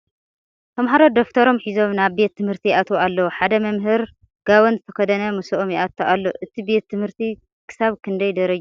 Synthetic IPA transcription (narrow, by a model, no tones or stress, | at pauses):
t̪ʰɐmɦaɾo̞d̪oft̪ʰɐɾo̞mħizo̞mnaβbe̞t̪ʰːɨmhɨɾt̪ʰijʔat̪ʰoalːɐwuħad̪ɐmɐmɦɨɾ | ɡ̥awonzɨt̪ʰɐkʰɐd̪ɐnɐmusɐʔomjiʔat̪ʰːoʔalːo̰ʔɨt̪ʰibe̞t̪ʰːɨmhɨɾt̪ʰi | kʰɨ̥saβkʰɨnd̪ɐjd̪ɐɾɐd͡ʒ